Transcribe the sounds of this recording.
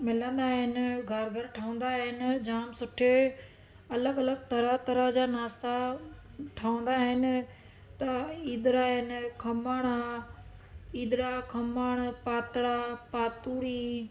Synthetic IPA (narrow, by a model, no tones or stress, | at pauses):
mɪlə̃nd̪aɦɪnɪɡʱɐɾɡʱəɾʈʰaːʊ̃nd̪aɦɪnɪ̆d͡ʑaːmsʊʈʰe | ɐləɡɐləɡt̪ɐɾət̪ɐɾəd͡ʑaːnaːst̪a | ʈʰaːʊ̃nd̪aɦɪnɪ̆ | t̪ɐiːd̪ɾaːɦɪnɪkʰɐmaːɽ̃a | iːd̪ɾakʰɐmaːɽ̃paːt̪ɽapaːt̪uːɽiː